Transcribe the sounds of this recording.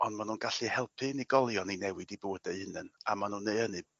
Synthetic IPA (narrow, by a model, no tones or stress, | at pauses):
ɔndmanuːnɡaɬihɛlˠpʰɨniɡɔlˠjɔninɛwɨdiboːdeɨhənɨna̰manunːeɨənɨ